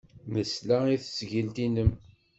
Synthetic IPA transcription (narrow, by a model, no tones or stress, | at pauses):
məslæiθəsʝəlt̪inəm